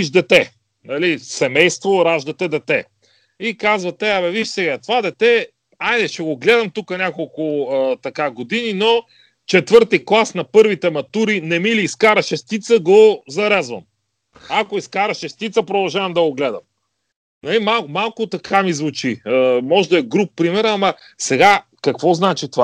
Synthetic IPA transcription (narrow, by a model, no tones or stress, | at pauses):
iʃd̪ɛt̪ɛ | nɐlisɛmɛjst̪voɾaʒd̪ɐt̪ɛd̪ɛt̪ɛ | ikazvɐt̪ɛamɛviʃsɛɡat̪vad̪ɛt̪ɛ | ajd̪ɛʃɛɡoɡlɛd̪ɐmt̪ukənʲakolˠkʊt̪ɐkaɡod̪inino | t͡ʃɛt̪vɤɾt̪iklˠasnɐpɤɾvit̪ɛmɐt̪uɾinɛmiliːskaɾɐʃɛst̪it̪səɡozɐɾɛzvɐ̰m | akoiskaɾɐʃɛst̪it̪səpɾod̪ɐlˠʒavɐmd̪ɐɡoɡlɛd̪ɐ̰m | nɐlimalˠmalˠkʊt̪ɐkʰamizvʊt͡ʃiəmɔʒd̪ɐɛɡɾup̚pɾimɛɾɐmɐ | sɛɡa | kɐkvɔznat͡ʃit̪ova